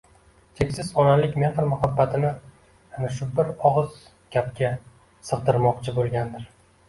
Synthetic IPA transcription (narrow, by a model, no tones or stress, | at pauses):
t͡ʃʰekʲsɪzɒnalɪkʲmenχɨɾmʊhabːat̪ʰɪnɪ | naʃʊbɪɾɒʁɨz̥ | ɡʲap̚kʲa | sɨʁd̪ɪɾmɒqt͡ʃʰɪbolˠɡʲand̪ɪɾ